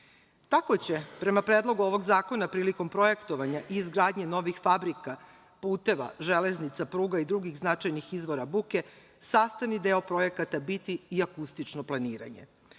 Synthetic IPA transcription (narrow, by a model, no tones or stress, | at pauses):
t̪ako̞t͡ɕe̞pɾe̞mapɾeːd̪lˠo̞ɡuo̞ʋo̞ɡzaːko̞napɾiːliko̞mpɾo̞je̞kt̪o̞ʋaɲaʔiːzɡɾaːd̪ɲe̞no̞ʋixfabɾika | puːt̪e̞ʋa̰ʒe̞leznit̪sapɾuːɡaid̪ɾuɡiɣznat͡ʃajnixizʋo̞ɾabuke̞ | saːst̪aʋnid̪eopɾo̞je̞kat̪abit̪iːakust̪it͡ʃnoplˠaniːɾa̰ɲe̞̰